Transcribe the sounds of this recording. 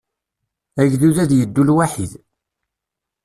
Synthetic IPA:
æʝðuðæðjəd̪ːulwaħið

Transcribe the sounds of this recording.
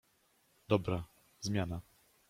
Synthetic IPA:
d̪ɔbɾa | zmʲjana

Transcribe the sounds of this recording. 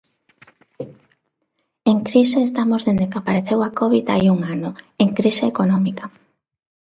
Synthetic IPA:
eŋkɾiseːst̪amozðend̪ekapaɾeθewakɔβiða̰juŋanoeŋkɾiseːkonɔmika

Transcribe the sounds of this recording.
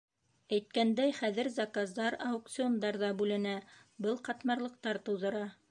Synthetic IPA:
æjt̪̚kænd̪æjχæðɘ̆ɾzɑkazd̪ɑɾɑuk̚t̪sɨond̪ɑɾðɑbʉlɘ̆næbɤlˠqɑt̪mɑɾlˠɤ̆q̚t̪ɑɾt̪ɤ̆wðɤ̆ɾɑ

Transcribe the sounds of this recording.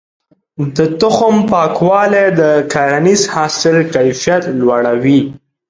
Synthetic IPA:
d̪ət̪ʊxʊmpɑkwɑled̪əkaɾanizhɑsɪlkajfijat̪lwaɽawi

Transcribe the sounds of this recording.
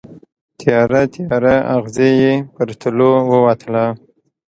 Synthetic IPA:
t̪ʰjɑɾat̪jɑɾaaɣzejepəɾt̪ʰəlowəwat̪əla

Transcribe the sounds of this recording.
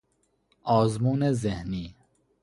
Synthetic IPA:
ɒːzmuːnezehniː

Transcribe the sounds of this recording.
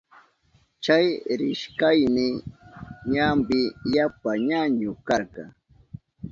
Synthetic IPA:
t͡ʃajɾɪʃkajnɪ | ɲambɪjapaɲaɲʊkɑɾkɑ̰ŋ

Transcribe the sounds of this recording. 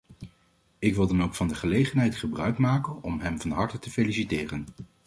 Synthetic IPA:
ɪkʋɪlˠdɑnowkfɑndəχəlejχənɦɛjtχəbrœɥkmaːkənɔmɦɛmvɑnɦɑɹtətəfelisitɪːrən

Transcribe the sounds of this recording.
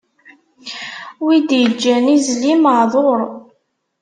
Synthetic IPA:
wid̪jəd͡ʒːænizliməʕðˤoɾˤ

